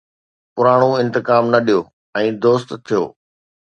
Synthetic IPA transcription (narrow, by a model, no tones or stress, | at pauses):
pʊɾaːɽ̃oɪ̃nt̪ɪkaːmnɐɗijoː | ɛ̃ːd̪oːst̪t̪ʰːijo̰ː